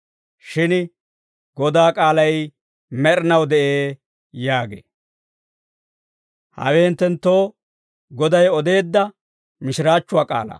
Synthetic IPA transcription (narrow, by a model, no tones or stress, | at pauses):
ʃɪn | ɡ̥ɔd̪aːkʼaːlɐj | mɛɾɪnɐwd̪ɛʔeː | jaːɡḛː | hɐ̰weːɪnt̪ːɛnt̪ːo̞ː | ɡɔd̪ɐjɔd̪e̞ːd̪ːɐ | mɪʃɪɾaːt͡ʃːʊwaːkʼa̰ːlɐ̰